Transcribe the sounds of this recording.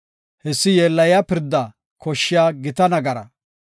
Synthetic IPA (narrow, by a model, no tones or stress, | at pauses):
hɛsːɪjeːlːɐjapɪɾd̪ːɐ | kʰɔʃːɪjaːɡɪt̪ɐnɐɡɐɾɐ̰